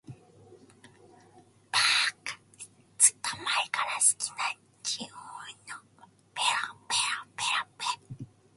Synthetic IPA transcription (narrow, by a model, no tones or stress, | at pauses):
pakḁ | t͡si̥t̪amaɾkaɾaski̥na | t͡ʃioɲo | peɾapeɾapeɾape